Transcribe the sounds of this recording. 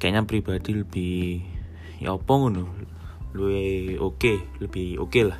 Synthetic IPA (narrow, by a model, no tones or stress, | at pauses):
kɛɲapɾib̥ad̪̥iləb̥ɪh | jɔ̰pɔŋɡuno | lueokeləb̥ɪhokelah